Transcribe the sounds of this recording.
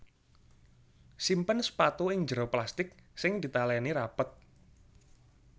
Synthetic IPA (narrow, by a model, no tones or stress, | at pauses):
simpənspat̪uɪŋd͡ʒɾoplast̪ɪk̚sɪŋd̪̥i̤t̪alɛniɾapət̪̚